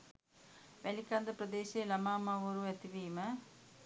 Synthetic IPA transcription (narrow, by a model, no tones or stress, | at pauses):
ʋɛlɪkːaːnd̪ɐpɾɐd̪eːseːlɐmaːmaːʋoɾuet̪ːiʋiːmɐ